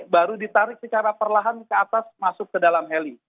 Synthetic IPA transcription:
baɾudit̪aɾɪk̚sət͡ʃaɾapərlaɦankəat̪asmasʊkːədalamɦɛli

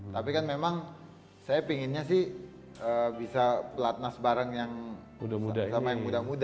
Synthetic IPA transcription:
t̪apikanmemaŋ | sajapiŋɪnɲas̬ɪh | əːbisapəlat̪̚nasbaɾəŋjaŋ | udamudasamajaŋŋmudamuda

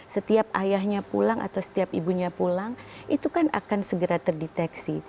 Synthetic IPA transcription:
sət̪iap̚ajahɲapṵlaŋʔa̰t̪awsə̥t̪iapibuɲapulaŋʔit̪ukana̰kansəɡəɾat̪ərdit̪ɛksi

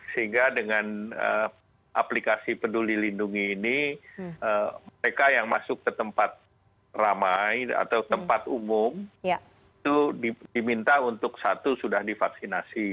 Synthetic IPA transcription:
səɦiŋɡadəŋanə̰ | ʔa̰plikasipədulilinduŋiːni | əməɾekajaŋmasʊkːət̪əmpat̪̚ | ramaja̰t̪awt̪əmpat̪umʊm | it̪udidimint̪aunt̪ʊksat̪usudahdifaksinasi

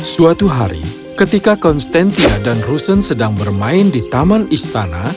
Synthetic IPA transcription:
suat̪uɦaɾḭ | kət̪ikakɔnst̪ant̪iadanrusənsədaŋbərmaɪndit̪amanist̪ana̰

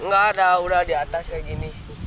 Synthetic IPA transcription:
ŋ̩ɡadauɾadiatasɛɡini

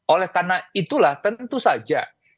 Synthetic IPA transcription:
olɛhkarnait̪ulaht̪ənt̪usad͡ʒa̰

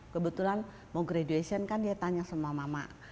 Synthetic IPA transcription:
kəbət̪ulan | mɔŋɡɾeduesiənkandiat̪aɲasəmuamama̰

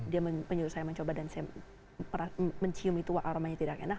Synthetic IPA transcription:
diaməməɲuɾʊt̪sajaməɲt͡ʃobadansaja | məɾaməɲt͡ʃiʊmit̪uwaʔaɾomaɲat̪idakɛna

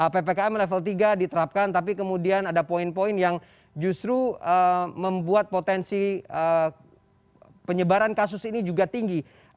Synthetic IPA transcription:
əpepekaɛmlɛfəlt̪iɡadit̪əɾap̚kant̪ap̬ikəmudianadapoinpoinjaŋ | d͡ʒust̪ɾuəməmbuat̪̚pot̪ɛnsiə | pəɲəbaɾankas̬ʊsinid͡ʒuɡat̪iŋɡi

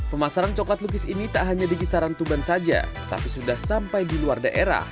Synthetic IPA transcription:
pəmasaɾant͡ʃɔklat̪luk̬ɪsinit̪aʔɦaɲadiɡisaɾant̪ubansad͡ʒa̰t̪a̰pisudahsampajdiluardaʔeɾa̰h

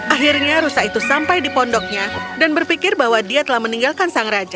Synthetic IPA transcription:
ʔaɦirɲaɾusakit̪usampajdipɔndɔk̚ɲadanbərfikɪrbaɦwadiat̪əlahməniŋɡalkansaŋɾad͡ʒa

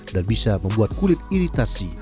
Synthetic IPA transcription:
danbisaməmbuat̪̚kulɪt̪̚iɾit̪asi

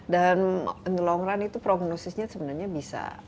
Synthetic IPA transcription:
dannlɔŋɾanit̪upɾoɡnosɪsɲasəbənarɲabisa̰

